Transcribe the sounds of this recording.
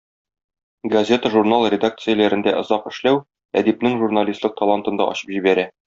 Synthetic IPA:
ɡɐzʲe̞t̪əʒurnalˠrʲɪd̪ak̚t̪sɨjəlæɾɘ̆nd̪æʔŏzɑqɘ̆ʃlæw | æ̰d̪ipnɘŋʒurnalʲist̪ˠɤq̚t̪olˠant̪ɤ̆nd̪ɑ̰ʔɒ̰ɕɤ̥pʑibæɾæ

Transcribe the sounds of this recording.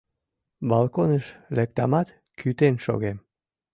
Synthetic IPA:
bɑlˠkonəʃlek̚t̪ɑmɑt̪ | kʰyt̪enʃo̰ɣem

